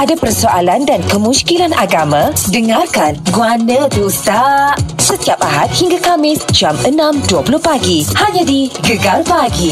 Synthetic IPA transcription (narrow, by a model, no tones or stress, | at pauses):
ʔadapərsoalandankəmũskilanʔaɡamãdəŋarkanɡuanə̃d̪usaʔsət̪iap̚aɦat̪̚hiŋɡakamɪsd͡ʒamənãmduapulʊhpaɡihaɲãdiɡəɡalpaɡi